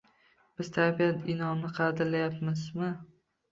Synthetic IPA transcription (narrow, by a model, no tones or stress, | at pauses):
b̥ɪz̥t̪ʰabijanɪnɒmnɪqʰɑd̪ɪɾlajapmɪzmɪ